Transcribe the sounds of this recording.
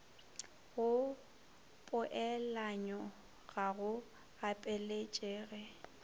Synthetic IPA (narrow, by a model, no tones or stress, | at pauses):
ɣʊ | pʼʊʔɛlaɲɔ | ɣaɣʊ | apʼɛlet͡ʃʼeːɣɛ